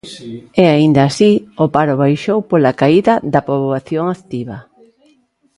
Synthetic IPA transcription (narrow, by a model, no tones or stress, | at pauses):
ɛaind̪aːsiopaɾʊβ̞ajʃowpolakaiðɐðɐpoβaθjoŋakt̪iβɐ